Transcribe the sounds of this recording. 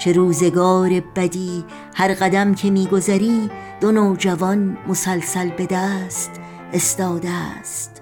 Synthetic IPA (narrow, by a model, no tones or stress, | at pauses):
t͡ʃʰe̞ɾuːze̞ɡɒːɾe̞bæd̪iː | hæɾɢæd̪æmcʰe̞miːɡozæɾiːd̪̥onoːd͡ʒævɒnmosælsælbe̞d̪æːst̪ | est̪ɒːd̪est̪